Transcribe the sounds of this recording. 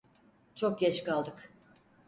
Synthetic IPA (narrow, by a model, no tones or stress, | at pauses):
t͡ʃʰok̚ɟɛt͡ʃkalˠd̪ɯk